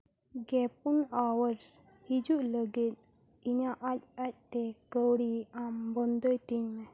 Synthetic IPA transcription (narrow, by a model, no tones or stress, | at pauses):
ɡɛpunawəɾs | hid͡ʑuləɡet̪̚ | iɲaʔatat̚t̪ekəwɽiambɔnd̪əjt̪inmɛ̃